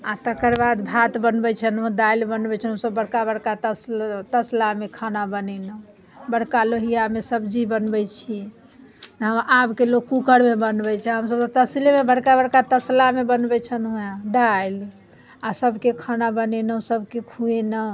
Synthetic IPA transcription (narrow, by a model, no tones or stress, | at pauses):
at̪əkəɾbad̪bʱat̪bənbɛt͡ʃʰənũd̪ailbənbɛt͡ʃʰənɦəmsəbːəɽkabəɽkat̪əst̪əslamekʰanabənɛnə | bəɽkaloɦijamesəbd͡ʒibənbɛt͡ʃʰi | nəɦəmabkelokːukəɽmebənbɛt͡ʃʰɛɦəmsəbt̪t̪əslemebəɽkabəɽkat̪əslamebənbɛt͡ʃʰənueɖajl | asəbʱkekʰanabənɛnəsəbʱkekʰuenə